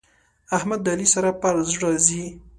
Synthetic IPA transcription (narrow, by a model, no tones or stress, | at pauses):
ahmad̪ːalisaɾapaɾzɽɑzi